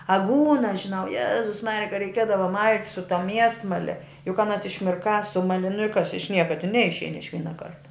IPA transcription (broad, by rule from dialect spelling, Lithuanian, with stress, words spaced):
ɐˈɡuːnɐs ʒʲɪˈnɐʊ ˈjæːzʊs ˈmɑːrʲɪjɛ kɐ rʲɛɪˈkʲiɛdɐʋɐ mɐlʲtʲ sʊ tɐ ˈmʲiɛsmɐlʲɛ jʊk ɐˈnɐs ɪʃʲmʲɪrˈkɑː ˈsʊmɐlʲɪ nʊ ɪ kɐs ɪʃ ˈnʲiɛkɐ tʲɪn ˈnʲɛɪʃʲɛɪn ɪʃ ˈʋʲiːnɐ ˈkɐrtɐ